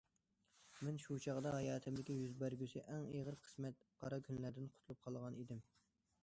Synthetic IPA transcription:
mɛnʃut͡ʃʰɑʁd̪ɑɦɑjɑːt̪ʰɪmd̪ɪkʲijyzbæɾɡʲysɪʔɛŋeʁəɾqʰə̥smɛt̪̚qʰɑɾɑkʲʰynlæɾd̪ɪnqʰʊt̪ʰlˠup̚qʰɑlˠʁɑnid̪ɪm

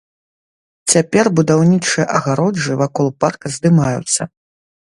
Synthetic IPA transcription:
t͡sʲapʲɛrbud̪awnʲit͡ʂɨjɐʔɐɣaɾɔd͡ʐɨvakɔlˠparkɐzd̪ɨmajṵt̪sːɐ̰

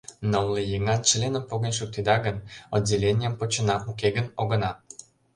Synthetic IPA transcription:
nowlejeŋɑnʃlʲenəmpoɣənʲʃuk̚t̪ed̪ɑɣənodʲelʲenʲijəmpot͡ɕə̆nɑʔukeɣənoɣə̆nɑ

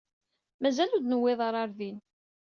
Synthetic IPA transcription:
mæzælud̪nəwːɪðˤɑɾˤɑɾðin

